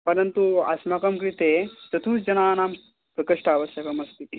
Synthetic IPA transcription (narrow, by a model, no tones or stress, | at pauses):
pɐɾɐnt̪uɐ̰smakɐmkɾit̪et̪ɐt̪ʰuːt͡sd͡ʑɐnaːnam | pɾɐkɐʂʈɐːʋɐɕjɐkɐmɐst̪ʰit̪i